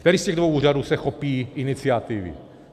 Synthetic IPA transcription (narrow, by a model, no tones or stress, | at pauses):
kt̪ɛɾiːscɛɣdvowuːraduːsɛxopiːʔɪnɪt͡sɪat̪ɪvɪ̰